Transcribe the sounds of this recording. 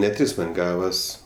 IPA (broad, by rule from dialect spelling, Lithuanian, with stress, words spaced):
nʲɛ ˈtʲrʲɪs tʲɛn ˈɡɑːʋɐs